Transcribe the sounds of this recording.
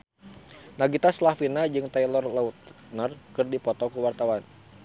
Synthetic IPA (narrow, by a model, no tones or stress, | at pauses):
naɡit̪aslafinad͡ʒɨŋt̪ailɔrlaut̪ | nərkɨrdipɔt̪ɔkuwart̪awan